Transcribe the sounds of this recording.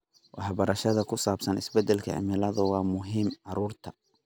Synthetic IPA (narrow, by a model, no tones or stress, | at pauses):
wʔɑħbɐɾɐʃɐðɐkʰʊsaːbsɐnɪ̰sbɛd̪ɛlkʰɐ̰ɪ̰mɪlɐðʊwɑːmʊɦiːmʕɑɾuːrt̪ʰɐ